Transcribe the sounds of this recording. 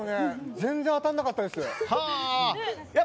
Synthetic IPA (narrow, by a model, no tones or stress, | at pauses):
onezẽnd͡zẽ̞ɰ̃at̪anːakat̪ːad̪esɨha | ja